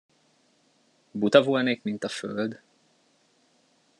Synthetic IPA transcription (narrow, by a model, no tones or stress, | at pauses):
bud̪ɒvulneːkmint̪ɒføld̪